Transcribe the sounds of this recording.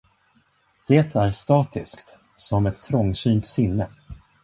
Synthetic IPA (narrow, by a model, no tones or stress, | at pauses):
d̪̥eːt̪ʰæɾst̪ɑːt̪ɪskt̪ | sɔmɛt̪t̪ʰːɾɔŋːsyːnt̪sɪnːə